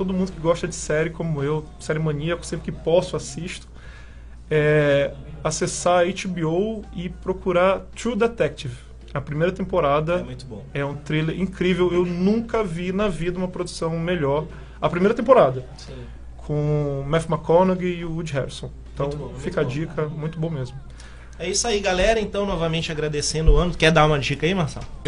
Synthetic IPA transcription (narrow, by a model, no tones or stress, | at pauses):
t̪od̪ʊmũnd̪ʊkɪɡɔʃt̪ɐd͡ʒɪsɛɾɪkõmʊew | seɾemõniɐksẽpɾɪkɪpɔsʊasiʃt̪ʊ̥ | ɛ | asesaɾejt͡ʃibiowɪpɾokuɾat̪ɾud̪et̪ɛk̚t͡ʃiv | ɐpɾimejɾɐt̪ẽmpoɾad̪ɐmũj̃t̪bõɛũt̪ɾileɾʔĩkɾivewewnũkɐvinɐvid̪ɐũmɐpɾod̪usɐ̃w̃meʎɔɾ | ɐpɾimejɾɐt̪ẽpoɾad̪ɐ | s | kʰõmɛfmakonɐɡɪɪʊud͡ʒɦɛɾsõẽt̪ɐ̃w̃fikɐd͡ʒikʰɐmũj̃t̪ʊbõw̃mezmʊ | ɛisɐiɡalɛɾɐẽnt̪ɐ̃w̃nɔvɐmẽnt͡ʃɪaɡɾad̪esẽnd̪ʊɐ̃nʊkɛd̪aũmɐd͡ʒikɐimaɾsɛ̰lʊ